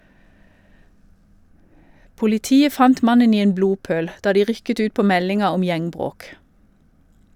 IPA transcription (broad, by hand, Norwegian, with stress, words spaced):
pʊlɪˈtiːə ˈfɑnt ˈmɑnən ˈiː ˈeːn ˈbɽuːˌpøːɽ ˈdɑː ˈdiː ˈʁʏkət ˈʉːt ˈpoː ˈmɛlɪŋɑ ˈɔm ˈjæŋˌbʁoːk